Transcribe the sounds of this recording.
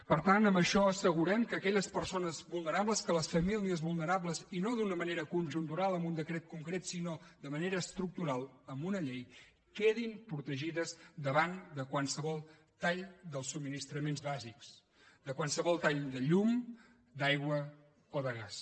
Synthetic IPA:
pəɾt̪anəmbəʃɔəsəɣ̞uɾɛmkəːkɛʎəspəɾsonəzβulˠnəɾabləskələsfəmiliəzβulˠnəɾabləzinoðunəməneɾəkunʒunt̪uɾalˠəmbund̪əkɾɛt̪̚kuŋkɾet̪sinod̪əməneɾəːst̪ɾuk̚t̪uɾalˠəmbunəʎej | keðimpɾut̪əʒiðəzd̪əβand̪əkwalˠsəβɔlˠ | t̪aʎd̪əlˠsːub̚minist̪ɾəmenzβaziks | d̪əkwansəβɔlˠt̪aʎd̪əʎum | d̪ajɣwə | oðəɣas

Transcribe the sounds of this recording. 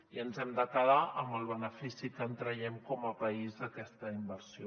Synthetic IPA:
iənzɛmd̪əkəðaʔəmbəlˠβənəfisikənt̪ɾəjɛmkɔməpəizðəkɛst̪əimbəɾsio

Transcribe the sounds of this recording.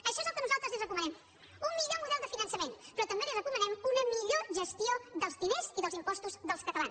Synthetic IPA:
əʃɔezɛlˠkənuzalˠt̪ɾəzlizrəkumənɛm | umːiʎomuðɛlˠd̪əfinənsəmenpɾɔt̪əmbelirəkumənɛmunəmiʎoʒəst̪ioðəlˠzðineziðəlˠzimpɔst̪uzðəlˠskət̪əlan

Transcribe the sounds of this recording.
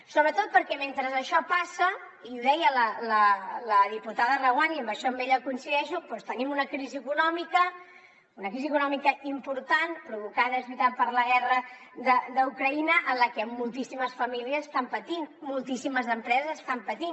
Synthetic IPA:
soβɾət̪ot̪̚pəɾkɛment̪ɾəzəʃɔpasə | iuðɛjələlələðiput̪aðərəɣwaniəmbəʃɔəmbeʎəkuinsiðɛʃupɔst̪ənimunəkɾiziəkunɔmikə | unəkɾiziəkunɔmikəimpuɾt̪anpɾuβukaðəzβit̪apəɾləɣɛrə | ðəd̪əukɾəinəʔənləkɛəmːulˠt̪isiməsfəmiliəzəst̪ampət̪inmulˠt̪isiməzəmpɾɛzəzəst̪ampət̪in

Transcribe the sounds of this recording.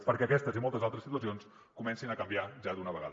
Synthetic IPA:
pəɾkɛəkɛst̪əzimolˠt̪əzalˠt̪ɾəsit̪uəsions | kumɛnsinəkəmbiaʒad̪unəβəɣa̰ð

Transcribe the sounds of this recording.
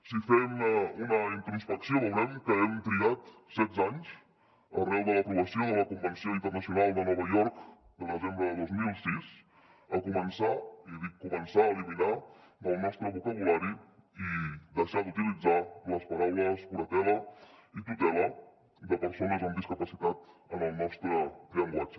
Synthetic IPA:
sifɛməunəint̪ɾuspəksijoβowɾɛmkəɛmt̪ɾiat̪sɛt̪zaɲs | ərɛlˠd̪ələpɾuβəsioðələkumbənsioint̪ərnəsiunalˠd̪ənɔβajɔɾk | d̪əlˠnəzembɾəðəðozmilˠsis | əkumənsaiðikumənsaəlimina | d̪əlˠnɔst̪ɾəβukəβulaɾi | id̪əʃad̪ut̪ilid͡zaləspəɾawləspuɾət̪ɛləit̪ut̪ɛlə | d̪əpəɾsonəzəmb̪iskəpəsit̪at̪ənəlˠnɔst̪ɾət̪ɾiəmbwat͡ʃ

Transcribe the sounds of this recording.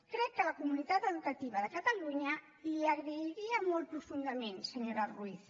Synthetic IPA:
kɾɛkːəlakumunit̪at̪əðukat̪iβaðəkat̪aluɲa | liaɣɾəiɾiamolˠt̪̚pɾufund̪amẽnsəɲoɾaruiθ

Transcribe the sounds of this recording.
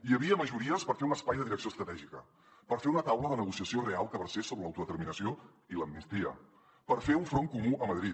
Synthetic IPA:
iəβiəməʒuɾiəspəɾfeunəspajðəðiɾəksioəst̪ɾət̪ɛʒikə | pəɾfeunət̪awləðənəɣ̞usiəsiorealˠkəβəɾsesoβɾələwt̪uðət̪əɾminəsio | iləmnist̪iə̰ | pəɾfeuɱfɾoŋkumuəməðɾit̪

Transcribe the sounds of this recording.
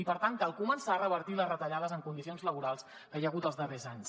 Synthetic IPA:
ipəɾt̪aŋkalˠkumənsaərəβəɾt̪iləzrət̪əʎaðəzəŋkund̪isionzləβuɾalˠs | kəjəɣ̞ut̪əlzðərezaɲs

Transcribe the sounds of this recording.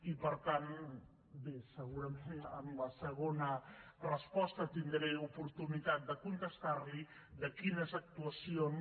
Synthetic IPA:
ipəɾt̪an | besəɣuɾəmenəmləsəɣ̞onərəspɔst̪ət̪ind̪ɾejupuɾt̪unit̪at̪̚d̪əkunt̪əst̪aɾli | d̪əkinəzak̚t̪uasion

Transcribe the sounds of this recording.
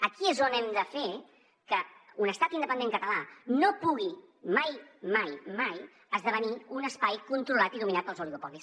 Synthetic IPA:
əkiezonɛmd̪əfe | kəunəst̪at̪ind̪əpənd̪eŋkət̪əlanopuɣ̞i | majmajmaj | əzðəβəniunəspajkunt̪ɾulat̪iðuminat̪̚pəlˠzuliɣupɔlis

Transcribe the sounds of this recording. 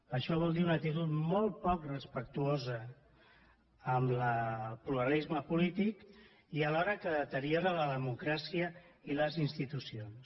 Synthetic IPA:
əʃɔβ̞ɔlˠd̪iunəkt̪it̪̬ut̪molˠt̪̚pɔkrəspək̚t̪uozə | mləpluɾəlizməpulit̪ik | iəlɔɾəkəðət̪əɾioɾələðəmukɾasiəiləzinst̪it̪usions

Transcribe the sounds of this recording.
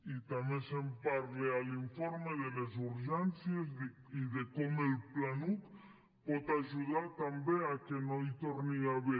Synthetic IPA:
it̪amesempaɾlealiɱfoɾmeðelezuɾʒensjez | iðekomelplanut̪ | pot̪aʒuðaɾt̪ambeakenojt̪oɾniaβe

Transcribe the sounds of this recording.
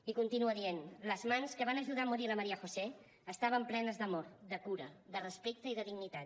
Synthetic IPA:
ikunt̪inuəðienləzmanskəβanəʒuð̞aəmuɾiləməɾiəxose | əst̪aβ̞əmplɛnəzðəmoɾd̪əkuɾəd̪ərəspek̚t̪əiðəðiɡnit̪a

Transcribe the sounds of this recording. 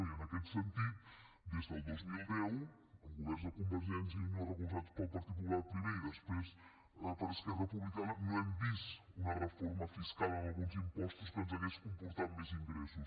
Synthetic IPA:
iənəkɛt̪sənt̪it̪ | d̪ezd̪əlˠɡuzmilðɛw | əlˠɣuβɛɾzðəkumbəɾʒɛns̬inorəkulˠzat̪uspəlˠpəɾt̪ikulˠaɾpɾiβeiðəspɾes | əpəɾəskɛrəpuβlikanənõɛmbisunərəfɔɾməfiskalˠənɐlˠɣunzimpɔst̪uskənzɐɣɛskumpuɾt̪at̪mɛziŋd̪əɾɛsus

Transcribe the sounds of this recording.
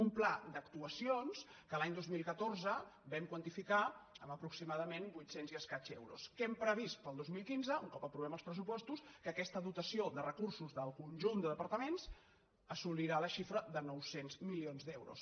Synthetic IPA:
umplad̪əkt̪uəsionskəlaɲd̪ozmilˠkət̪orzəbɛmkwənt̪ifikaəməpɾuksimaðəmenbujt̪senziəskat͡ʃɛ̰wɾṵskɛmpɾəβist̪̚pəlˠd̪ozmilˠkinzəuŋkɔpəpɾuβɛməlˠspɾəs̬upɔst̪uskəkɛst̪əðut̪əsioðərəkursuzðəlˠkunʲʒund̪əðəpəɾt̪əmens | əsuliɾaləʃifɾəðənɔwsenzmilionzd̪ɛwɾṵs

